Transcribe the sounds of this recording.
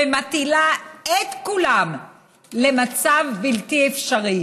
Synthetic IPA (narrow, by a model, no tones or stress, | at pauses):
emat̪ilaet̪kulam | le̞mat͡savbilt̪iefʃaʁi